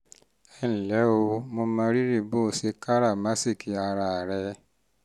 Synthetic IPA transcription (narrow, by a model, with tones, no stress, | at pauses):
ɛ˦˨n̩˨lɛ˨˦o˧mo˧mã˧˦˧ɾi˦ɾi˦˨bo˦˨se˧ka˦ɾa˦˨ma˦si˦˨ki˨˧a˧ɾa˧˨a˨ɾɛ˧